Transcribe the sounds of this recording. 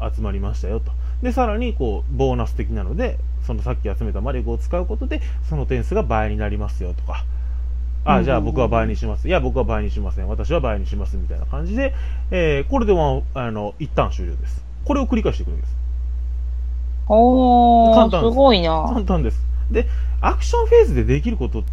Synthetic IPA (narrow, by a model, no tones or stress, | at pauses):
a̰t͡sɨmaɾʲimaɕi̥t̪ajo̞t̪o̞̥ | d̪e̞saɾaɲ̟iko̞ː | bo̞ːnasɨ̥t̪e̞kʲinano̞d̪e̞ | so̞no̞sakʲːiat͡sɨme̞t̪amaɾʲokɯo̞t͡sɨ̥kaɯ̟ko̞t̪o̞d̪e̞ | so̞no̞t̪ẽ̞ɰ̃sɨɡabaeɲ̟inaɾʲimasɨjo̞t̪o̞̥ka | ad͡ʑaːbo̞kɯ̟β̞abaeɲ̟iɕimasɨjabo̞kɯβabaeɲiɕimasẽβ̞at̪aɕ̬iβabaeɲ̟iɕimasɨmʲit̪aina̰kãɲ̟d͡ʑid̪e̞ | eːko̞ɾed̪e̞ma | ano̞it̪ːãɰ̃ɕɨːɾʲo̰ːd̪e̞sɨ̥ | ko̞ɾe̞o̞kɯ̟ɾikaiɕit̪eɯɾemasɨ̥ | okãnt̪ãɨɡoinakãnt̪ãnd̪e̞sɨ̥ | d̪e̞ | akɯ̟̥ɕõ̞ɰ̃ɸe̞ːsɨd̪e̞d̪e̞kʲiɾɯ̟ko̞t̪o̞